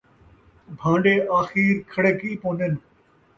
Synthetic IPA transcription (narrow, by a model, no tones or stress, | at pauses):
bʱãːɳɖeːʔaːxiːɾkʰɐɽeːkiːpõːnen